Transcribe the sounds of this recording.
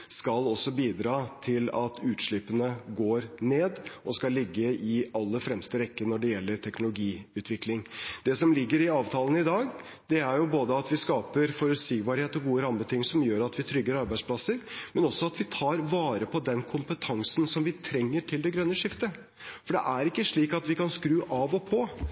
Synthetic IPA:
skɑlɔsːɔbiːd̪ɾɑːt̪ʰɪlɑt̪ʰʉːt̪ʂɭɪpənəɡoːɾneːd̪ʔɔskɑlɪɡːəʔɪɑlːəɾfɾɛmst̪əɾɛkːənɔɖɛjɛlːəɾʈʰɛknʊlʊɡiːʉːt̪ʰʋɪklɪŋd̪ɛsɔmlɪɡːəɾɪɑːʋt̪ʰɑːlənɪd̪ɑːɡ | d̪̥ɛæɾjʊboːd̪əɑt̪ʋɪskɑːpəɾfɔɾʉt̪siːɡbɑːɾheːt̪ɔɡuːəɾɑmb̪ət̪ʰɪŋsɔmjøːɾɑt̪ʋɪt̪ʰɾʏɡːəɾɑɾbæɪspʰlɑsəɾmɛnɔsɔɑt̪ʋɪt̪ʰɑːɾʋɑːɾəpʰɔd̪ɛnkʰʊmpət̪ʰɑŋsn̩sɔmʋɪt̪ʰɾɛŋːəʈʰɪld̪ɛɡɾœnːəʂɪft̪ə | fɔɖɛ̰ʔæɾɪkːəʂɭiːkɑt̪ʋɪkʰɑnskɾʉːʔɑʋɔpʰɔ

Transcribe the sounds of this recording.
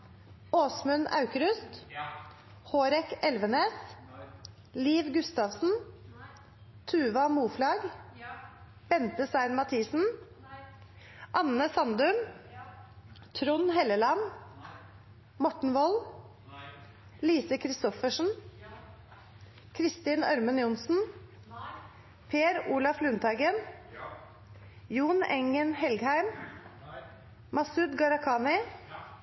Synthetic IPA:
oːsmʉnʔɑ̰ʉkɾʉst̪ | hoːɾɛkɛlʋəneːs | liːʋɡʉst̪ɑːʋsn̩ | t̪ʰʉːʋɑmuːflɑːɡ | b̥ɛnt̪əsɑɪnmɑt̪ʰiːsn̩ | ʔɑnəsɑnd̪ʉn | t̪ʰɾʊnhɛləlɑn | mɔʈɳ̩ʋɔl | liːsəkʰɾɪst̪ɔfəʂn̩ | kʰɾɪst̪iːnœ̰ɾmənjʊnsn̩ | pʰeːɾuːlɑflʉːnt̪ʰɑɪɡən | juːnɛŋənhɛlɡhæɪm | mɑsʉd̪ɡɑɾɑkʰɑːnɪ

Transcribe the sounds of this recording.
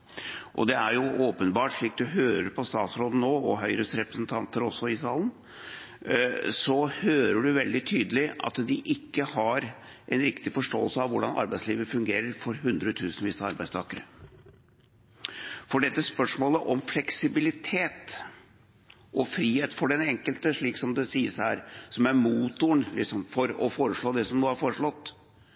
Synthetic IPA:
ʔɔ̰d̪ɛæɾjʊʔoːpənbɑːʈʂɭiːk̚d̪ʉɦøːɾəɾpʰɔst̪ɑːt̪sɾoːd̪n̩noːɔɦœʏɾəsɾɛpɾəsn̩t̪ʰɑnt̪əɾɔsːɔɪsɑːln | sɔhøːɾəɖʉʋɛld̪ɪt̪ʰyːd̪əlɪɑ̰t̪d̪ɪʔɪkːəhɑɾ | ɛnɾɪkt̪ɪfɔʂʈo̰ːəlsəɑʋʋʊɖɑnɑ̰ɾbæɪsliːʋəfʉŋɡeːɾəɾfɔɾɦʉnd̪ɾət̪ʰʉːsnʋɪːst̪ɑɾbæɪst̪ʰɑːkəɾə | fɔɖɛt̪ːəspœʂmoːləʔɔmflɛksɪbɪlɪt̪ʰeːt̪ | ʔɔfɾiːheːt̪fɔɖɛnɛŋkəlt̪əʂɭiːksɔmd̪ɛsiːəshæːɾsɔmæɾmuːt̪ʊɳlɪksɔmfɔɾɔfoːɾəʂɭoːd̪ɛsɔmnoːhɑɾfoːɾəʂɭɔt̪ː

